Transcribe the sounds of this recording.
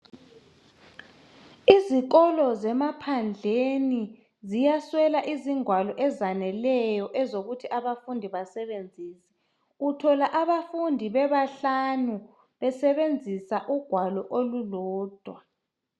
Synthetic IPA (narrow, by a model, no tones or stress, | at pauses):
izik̬ɔlɔzɛmapʰand͡ɮʱeni | zijaswɛlaʔiziŋʱwalɔʔɛzanɛlɛjɔʔɛzoɣutʰiʔaβafundʱiβasɛβend͡zʱiːsi̥ | utʰɔlaʔaβafundʱiβɛβaɬanu | βɛsɛβend͡zʱisaʔuɡ̥ʱwalɔʔolulɔːd̥ʱwa